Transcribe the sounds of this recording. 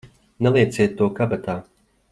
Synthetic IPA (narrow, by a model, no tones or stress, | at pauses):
nɛlˠiɛt̪sʲiɛt̪ːuɔkabat̪aː